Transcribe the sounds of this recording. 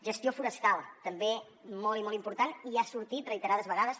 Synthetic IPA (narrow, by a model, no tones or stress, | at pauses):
ʒəst̪jofuɾəst̪alˠt̪əmbe | mɔlˠimɔlˠimpuɾt̪aniasuɾt̪it̪rəit̪əɾaðəzβəɣaðəs